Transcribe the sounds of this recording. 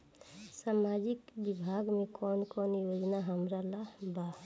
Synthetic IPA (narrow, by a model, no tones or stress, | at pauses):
samad͡ʒɪkbibʱaːɡmẽkɔːnkɔːnjoːd͡ʒnaɦəmɾalaba